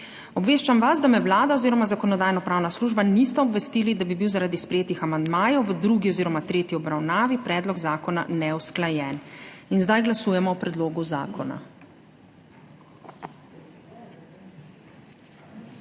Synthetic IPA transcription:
ɔbʋeːʃt͡ʃamʋazd̪amɛwlaːd̪aoziːɾɔmazakɔnɔd̪aːjnɔpɾaːwnasluːʒbanist̪ɛɔbʋɛst̪iːlid̪abibiwzaɾaːd̪ispɾɛjeːt̪ixamand̪maːjɔwʋəd̪ɾuːɡiɔziːɾɔmat̪ɾeːt̪iɔbɾawnaːʋipɾɛːd̪lɔɡzaːkɔna̰nɛwsklajɛːninzd̪ajɡlasuːjɛmɔɔpɾɛd̪loːɡuza̰ːkɔna̰

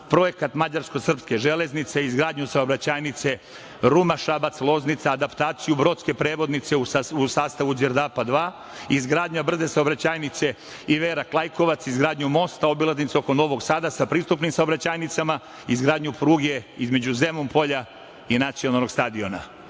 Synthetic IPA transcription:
pɾo̞je̞kat̪mad͡ʑaɾsko̞sr̩pske̞ʒe̞le̞znit̪se̞izɡɾaːd̪ɲusaobɾat͡ɕaːjnit̪se̞ | ɾumaʃabat̪slˠo̞znit̪saːd̪apt̪aːt̪sijubɾo̞t̪ske̞pɾe̞ːʋo̞d̪nit̪se̞uusaːst̪aʋuzeɾd̪apad̪ʋaː | izɡɾaːd̪ɲabr̩ze̞saobɾat͡ɕaːjnit̪se̞ | iʋeːɾaklˠajko̞ʋat̪sizɡɾaːd̪ɲumo̞st̪ao̞bilaznit̪seo̞ko̞no̞ʋo̞ɡsaːd̪asapɾiːst̪upnimsaobɾat͡ɕaːjnit̪sama | izɡɾaːd̪ɲupɾuːɡe̞izme̞d͡ʑuze̞mumpo̞ʎa | inat̪sijo̞nalˠno̞ɡst̪ad̪io̞na̰

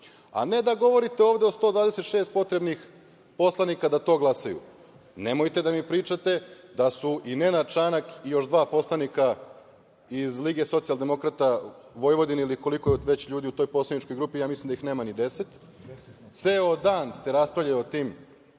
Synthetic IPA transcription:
a̰ne̞d̪aɡo̞ʋo̞ɾit̪eo̞ːʋd̪e̞ost̪o̞ːd̪ʋaːd̪eset̪ʃeːst̪̚po̞t̪ɾebnix | po̞slˠanikad̪at̪o̞ːɡlˠasajṵ | ne̞mo̞jt̪e̞d̪amipɾiːt͡ʃat̪e̞d̪asuʔine̞nat͡ʃanakijo̞ʃd̪ʋaːpo̞slˠanika | izliɡe̞so̞t̪sialˠd̪e̞mo̞kɾat̪a | ʋo̞jʋo̞d̪iniliko̞liko̞jeʋet͡ɕʎuːd̪iut̪o̞jpo̞slˠanit͡ʃko̞jɡɾuːpijaːmislimd̪aixne̞ːmanid̪e̞se̞t̪ | t̪se̞ːod̪aːnst̪e̞ɾaspɾavʎʲajiot̪iːm

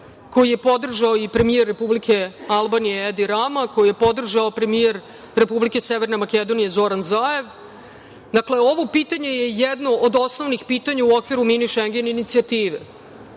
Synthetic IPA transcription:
ko̞jije̞po̞d̪r̩ʒaoipɾe̞mijeɾːe̞publike̞alˠbanijeed̪iɾamako̞jije̞po̞d̪r̩ʒaopɾe̞mijeɾ | ɾe̞publike̞seʋe̞ɾne̞make̞d̪o̞nije̞zo̞ɾanzaːe̞ʋ | d̪akle̞o̞ʋo̞piːt̪aɲe̞jejed̪no̞ʔod̪o̞sno̞ʋnixpiːt̪aɲauo̞kʋiɾuminiʃeŋɡʲeneinit̪siat̪iːʋḛ

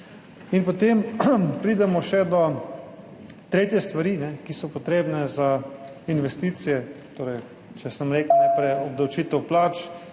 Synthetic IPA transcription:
inpot̪empɾiːd̪ɛmɔʃɛd̪ɔ | t̪ɾeːt̪jɛst̪ʋaɾiːnɛkisɔpɔt̪ɾeːbnɛza | inʋɛst̪iːt̪sijɛt̪oːɾɛj | t͡ʃɛsəmɾeːknaɪjpɾɛjɔblɐwt͡ʃiːt̪ɛwplaːt͡ʃ

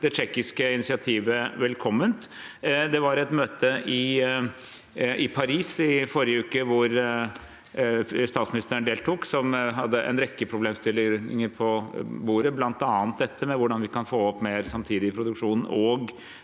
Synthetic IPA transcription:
d̪ɛt͡ʃɛkːɪskəɪnɪsɪɑt̪ʰiːʋəʋɛlkʰɔmːənt̪ | d̪ɛʋɑɾɛt̪møːt̪əʔɪ | ɪpʰɑɾiːsɪfɔɾɪjəʉːkəʋʊɾ | st̪ɑːt̪smɪnɪst̪əənd̪eːlt̪ʰʊksɔmɦɑd̪ːəʔɛ̰nɾɛkːəpʰɾʊbleːmst̪ɪlɪɪŋəɾpʰɔbuːɾəblɑnt̪ɑːnt̪̚d̪ɛt̪ʰːəmɛʋʊɖɑnʋɪkɑnfoːɔpmeːɾsɑmt̪ʰiːd̪ɪɪpʰɾʊd̪ʉkʂuːnn̩ɔɡ

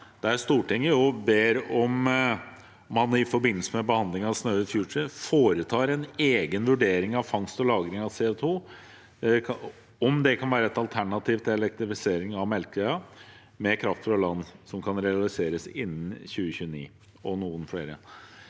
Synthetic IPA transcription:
d̪̥ææɾst̪uːʈʰɪŋːəjʊbeːɾɔm | ɑnɪfɔɾbɪnːəlsəmɛbəhɑnd̪lɪŋɑsnœːəfjuːʂəfoːɾət̪ʰɑːɾɛneːɡənʋʉɖeːɾɪŋɑʋfɑŋst̪ɔlɑːɡɾɪŋɑseːot̪ʰuː | ɔmd̪ɛkʰɑnʋæːɾəɛt̪ɑlt̪ʰæɳɑt̪ʰiːʋt̪ʰɛlɛk̚t̪ɾɪfɪseːɾɪŋɑʋmɛlkɛɑ | mɛkʰɾɑft̪fɾɑlɑnːsɔmkʰɑnɾɛɑlɪseːɾəsɪnːn̩çʉːəçʉːənḭː | ɔnuːənfɽeːɾə̰

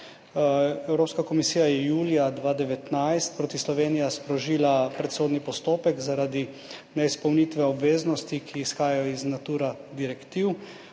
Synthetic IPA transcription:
ɛwɾoːpskakɔmisiːjajɛjuːlijad̪ʋaːd̪ɛʋɛt̪najst̪̚pɾoːt̪islɔʋeːnijaspɾɔʒiːlapɾɛt̪soːd̪nipɔst̪oːpɛkzaɾad̪i | nɛispɔwnit̪ʋɛɔbʋeːznɔst̪ikʰiːsxaːjajɔiznat̪uːɾad̪iɾɛkt̪iw

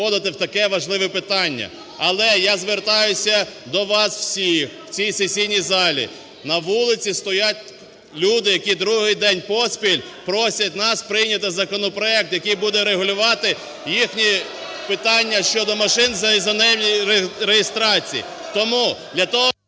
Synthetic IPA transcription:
ɔd̪ɪt̪ɪwt̪ɐkɛʋɐʒlˠɪʋɛpɪt̪ɑnʲːɐ̰ | ɐlˠɛjazʋert̪ɑjʊsʲɐd̪ɔʋɑsw̥sʲixwt͡sʲisesʲijnʲizɑlʲḭ | nɐʋulˠɪt͡sʲist̪ɔjat̪ʲ | lʲud̪ɪjɐkʲid̪ɾuɦɪjd̪ɛnʲpɔsʲpʲilʲpɾɔsʲɐt̪ʲnɑspɾɪjnʲɐt̪ɪzɐkɔnɔpɾɔɛk̚t̪jɐkɪjbud̪ɛɾeɦʊlʲʊʋɑt̪ɪ | jixnʲipɪt̪ɑnʲːɐʃt͡ʃɔd̪ɔmɐʃɪnzzɐnɐjɛmnʲiɾɾejɪst̪ɾɑt͡sʲijḭ | t̪ɔmud̪lʲɐt̪ɔɦɔ

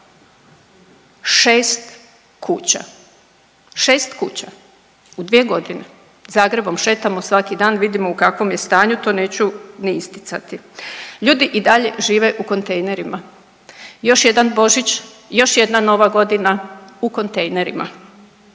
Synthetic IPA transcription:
ʃeːst̪ | kʰuːt͡ɕa̰ | ʃe̞ːst̪kuːt͡ɕa | ud̪ʋie̞ɡo̞d̪ine | zaːɡɾe̞bo̞mʃe̞ːt̪amosʋakid̪aːnʋid̪imoukakʋo̞mjest̪aːɲut̪o̞ːneːt͡ɕunɛist̪i̥t̪sa̰t̪iʎuːd̪iʔid̪aʎe̞ʒiːʋe̞ʔuko̞nt̪e̞jne̞ɾima | jo̞ʃje̞d̪anbo̞ʒit͡ɕ | jo̞ʃje̞d̪nano̞ʋaɡo̞d̪inauko̞nt̪ejne̞ɾḭma̰

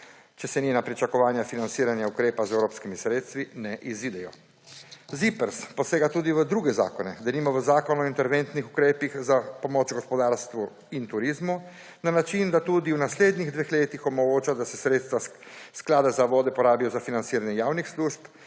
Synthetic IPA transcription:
t͡ʃɛsɛninapɾit͡ʃakɔʋaːnjafinant̪siːɾanjaukɾeːpazɛwɾoːpskimisɾeːt̪st̪ʋinɛʔiziːd̪ɛjɔ | zipəɾsposeːɡat̪uːd̪iʋəd̪ɾuːɡɛza̰ːkɔnɛd̪animɔʋəzaːkɔnuɔint̪ɛɾʋent̪nixukɾeːpixzapomot͡ʃɡɔspɔd̪aːɾst̪ʋu | int̪uɾiːzmu | nanat͡ʃind̪at̪uːd̪iwnasleːd̪niɣd̪ʋeːxleːt̪ixɔmɔɡoːt͡ʃad̪asɛsɾeːt̪st̪ʋasklaːd̪azaʋɔːd̪ɛpɔɾaːbijɔzafinant̪siːɾanjɛjaːwnixsluːʃp

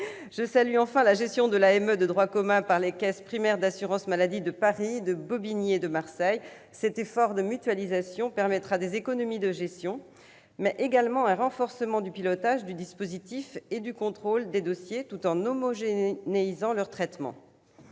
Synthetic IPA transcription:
ʒ̥əsalyɑ̃fɛ̃laʒɛst̪jɔ̃d̪əlaɛmød̪əd̪ʁwakɔmɛ̃paʁlekɛspχimɛʁd̪asyʁɑ̃smalad̪id̪əpaʁid̪əbɔbinjed̪əmaʁsɛj | sɛt̪efɔʁd̪əmyt̪ɥalizasjɔ̃pɛʁmɛt̪χad̪ezekɔnɔmid̪əʒɛst̪jɔ̃ | mɛʔeɡalmɑ̃ɛ̃ʁɑ̃fɔʁsəmɑ̃d̪ypilɔt̪aʒd̪yd̪ispozit̪ifed̪ykɔ̃t̪χold̪ed̪ɔsjet̪ut̪ɑ̃nɔmɔʒeneizɑ̃lœʁt̪χɛt̪mɑ̰̃

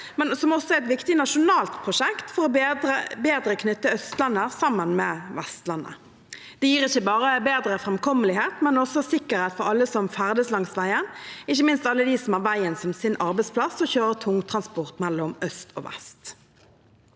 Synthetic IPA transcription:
mɛnsɔmɔsɔɛɛt̪ʋɪkt̪ɪnɑʂʊnɑːlt̪pʰʁʊʂɛkt̪fɔʁɔbd̪əbeːd̪ɾəkʰnʏt̪ːəœst̪lɑnːəsɑmːənmɛːʋæst̪lɑnːə̰ | d̪̥ɛjiːʁɪçːəbɑːʁəbeːd̪ɾəfʁɛmkʰɔməlɪheːt̪mɛnɔsɔsɪkːəɾheːt̪fɔɾɑlːəsɔmfæʁd̪əslɑŋsʋæɪənɪçːəmɪnst̪ɑlːəd̪isɔmhæʁʋæɪənsɔmsɪnʔɑʁbɛɪtspʰlɑsɔçøːʁət̪ʰʊŋːt̪ʰʁɑnspɔʁt̪mɛlːɔmœst̪ʰɔ̰ːʋæ̰st̪

